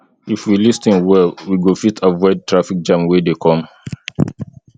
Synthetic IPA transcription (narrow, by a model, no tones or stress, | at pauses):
ifwilistĩnwɛwiɡofitʰavɔɪd̚tʰɹafik̚d͡ʒãmwedekʰɔ̃m